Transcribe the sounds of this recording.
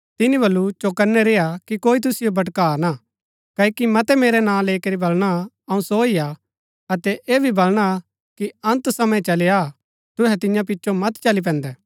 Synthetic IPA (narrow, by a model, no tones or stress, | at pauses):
t̪ɪnibɐlːut͡ʃokɐɾnɛɾeːjakikoːit̪̬ʊsɪjobɐʈkaːna | kɐkimɐt̪ɛmeːɾɛnãːleːikɐɾibɐlɽ̃a | ɐũsoija | ɐt̪ɛʔeːbʱibɐlɽ̃a | kiɐ̃nt̪sɐmə̃ɛ̃t͡ʃɐlea | t̪ʊɦɛt̪ɪ̃jãp̬ɪt͡ʃːʃomɐt̪t͡ʃɐlip̬ɛ̃ːnd̪ɛː